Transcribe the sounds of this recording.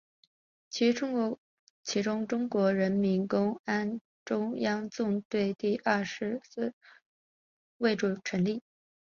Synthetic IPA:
t͡ɕʰi˧˥ʊ˥ | t͡ɕʰi˧˥ʈ͡ʂʊ˥ŋʈ͡ʂʊ˥ŋkwɔ˧˥ɻə˧˥nmi˧˥nkʊ˥ŋa˥n | ʈ͡ʂʊ˥ŋjɑ˥ŋt͡sʊ˥˧ŋt̪we˥˧ɪt̪i˥˧ʔɐ˥˩ʂɻ̩˧˥sɹ̩˥˩ | we˥˩ɪʈ͡ʂu˨˩ʈ͡ʂʰə˧˥nli˥˩

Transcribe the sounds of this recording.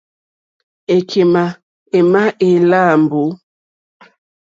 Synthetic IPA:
e˨kʰe˨ma˨ | e˨ma˦ʔe˨la˦˨mbo˨˦

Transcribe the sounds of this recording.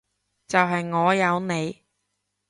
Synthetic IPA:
t͡sɐ˨wɦɐ˨jŋɔː˨˧jɐ˨˧wne˨˧j

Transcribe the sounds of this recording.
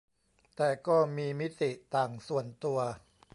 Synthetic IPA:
t̪ɛː˨˩kɔː˥˩miː˧mi˦˥t̪i˨˩ʔt̪aː˨˩ŋsu˨˩ənt̪u˧ɐ

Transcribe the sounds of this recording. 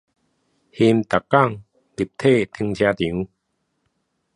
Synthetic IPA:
hi˧mt̪a˨˩kːa˥˧˨ŋ | li˨˩p̚t̪ʰe˥˨t̪ʰi˧ŋt͡ɕʰja˧t̪ĩ˨˦

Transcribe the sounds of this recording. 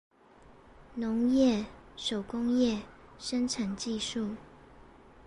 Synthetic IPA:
nʊ˧˥ŋjɛ˥˩ʂo˨˩ʊkʊ˥ŋjɛ˥˨ʂə˥nʈ͡ʂʰa˨˩nt͡ɕi˥˧ʂu˥˩

